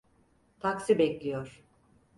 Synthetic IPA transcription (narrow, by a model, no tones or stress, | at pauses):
t̪ʰaksibɛclʲijoɾ̥